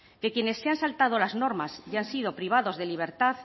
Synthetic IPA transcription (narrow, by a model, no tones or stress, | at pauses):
ke̞kjene̞sːeansalt̪að̞o̞lazno̞ɾmasʝansið̞o̞pɾiβ̞aðo̞zðe̞liβ̞e̞ɾt̪aθ